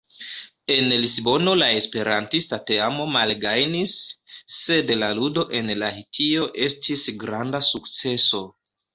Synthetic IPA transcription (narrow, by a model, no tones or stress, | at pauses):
e̞nlisbo̞no̞lae̞spe̞ɾantistate̞amo̞malɡajnisː | e̞dlaludo̞ʔe̞nlahitʰio̞ʔe̞stʰisɡɾandasukt͡se̞so̞